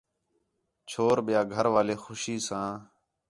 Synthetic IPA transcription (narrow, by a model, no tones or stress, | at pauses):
t͡ʃʰoːɾɓɪjaːɡʱəɾʋaːleːxʊʃiːsãː